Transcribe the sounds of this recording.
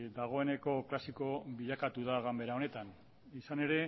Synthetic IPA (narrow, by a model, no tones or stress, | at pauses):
d̪aɣ̞o̞e̞ne̞ko̞klasiko̞βiʎakat̪uðaɣambe̞ɾaone̞t̪an | isane̞ɾe̞